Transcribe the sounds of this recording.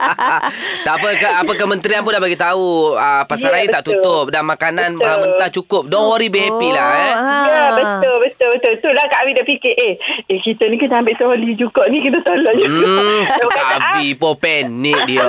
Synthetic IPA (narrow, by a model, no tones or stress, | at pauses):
t̪aʔpəkəapəkəmənt̪ɾianp̬ʊndabaɡit̪auəpasaɾaibət̪aʔt̪ut̪ʊp̚damakananmaaənat͡ʃukʊp̚dɔŋwoɾibeepilahajəbət̪ʊlbət̪ʊlbət̪ʊlət̪ʊlahkaʔwidaʔpikeʔeekit̪ənĩkit̪aambɪʔt̪əolid͡ʒukɔʔnĩkit̪ət̪olɔʔd͡ʒ | abipopɛnːiʔdio